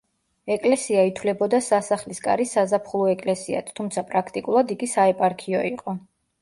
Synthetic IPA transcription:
ɛkʼlɛsiait̪ʰwlɛbɔd̪asasaχliskʼa̰ɾisazapʰχlˠɔɛkʼlɛsia̰t̪ʰt̪ʰːumt̪sʰapʼɾakʰt̪ʼikʼulˠad̪iɡisaɛpʼaɾkʰiɔiqʼɔ

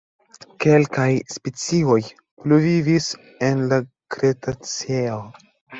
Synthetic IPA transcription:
kelkajspet͡sio̞j | pluvivis | e̞nla | kɾetat͡seo

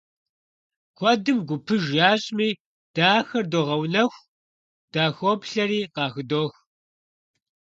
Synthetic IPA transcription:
kʷɔdɨmɡʷʊpʰɨʒjaːɕʼmiː | d̥aːxɐrdoːʁɐwnɐxʷ | d̥aːxoːpɬɐɾiːqɑːxɨdoːx

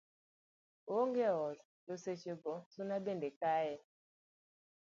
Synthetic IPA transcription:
oŋɡɛɔz | loseʃebɔsonabendekajɛ

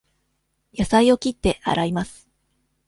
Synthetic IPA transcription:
jasaio̞kʲit̪ːe̞ʔa̰ɾaimasɨ̥

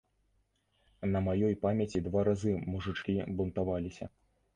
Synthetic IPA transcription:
nɐmajɔjpamʲɐt͡sʲid̪vaɾazɨmuʐɨt͡ʂkʲibunt̪avalʲisʲɐ̰

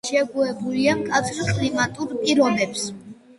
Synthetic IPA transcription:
ʃɛɡuɛbuliamkʼat̪sʰɾkʼlimat̪ʼuɾpʼiɾɔbɛps

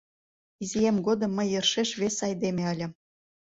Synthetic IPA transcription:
izʲijemɡod̪ɤ̆mːə̆jɤ̆rʃeʃβesɑjd̪emʲeɤlʲɘ̆

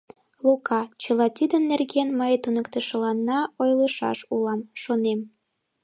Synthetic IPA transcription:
lukɑt͡ɕəlɑt̪ʲid̪ənːerɣenməjt̪unəkt̪əʃə̆lɑnːɑojləʃɑ̰ʃulɑmʃonem

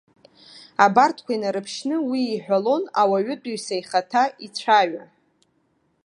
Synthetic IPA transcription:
abartʰkʷainaɾɨpʰʃnɨwiːħʷᶣalo̞nawaɥʏt͡pʼuɥsajχatʰait͡sʷʰaɥa

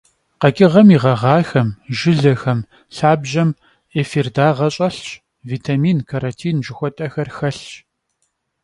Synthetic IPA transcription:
qɐkʲʼɪʁɐmiʁɐʁɑːxɐmʒɪɮɐxɐm | ɬaːbʒɐm | eːfirdaːʁɐɕʼɐɬt͡ʃ | viːtʰamiːnkʰaɾɐntʰiːnʒɪxʷɔtʼɐxɐrxɐɬt͡ʃ

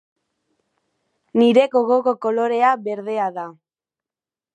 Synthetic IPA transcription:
niɾe̞ɡoɣoko̞ko̞lo̞ɾe̞aβe̞ɾðe̞aða

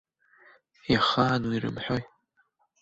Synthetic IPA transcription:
jaχaːnwirɨ̰mħoj

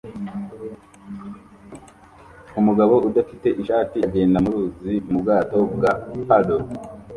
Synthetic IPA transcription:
umuɡaβo̞udafite̞ʔiʃaːtiɟe̞ːndamuɾuːzimubɡaːto̞bɡapado

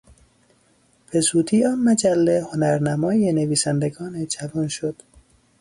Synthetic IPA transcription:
b̥e̞zuːd̪iːɒːnmæd͡ʒælːehonæɾnæmɒːjeneviːsænd̪eɡɒːned͡ʒævɒːnʃod̪̥

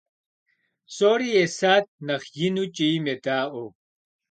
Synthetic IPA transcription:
soːɾiesaːt̪̚nɐxjinut͡ɕimet̪aːo

